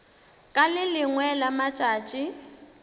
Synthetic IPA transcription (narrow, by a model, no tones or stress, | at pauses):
kʼalɪlɪŋwɛlamat͡ʃʼaːt͡ʃʼɪ